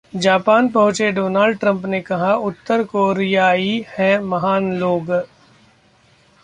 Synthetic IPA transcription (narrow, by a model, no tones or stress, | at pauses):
d͡ʒaːpaːnpɐɦʊ̃t͡ʃeɖoːnaːlɖʈɾə̃mpnekɐɦaʊt̪ːəɾkoːɾijaːihɛ̃mɐɦaːnloːɡ